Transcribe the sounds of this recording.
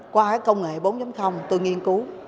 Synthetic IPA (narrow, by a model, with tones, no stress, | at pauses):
kwaː˧kaː˨˦˥kːə˧wŋ͡mŋe˨˩˨ɓo˨˦nzɔ˨˦mxə˧wŋ͡mt̪o˧jŋi˧ənku˨˦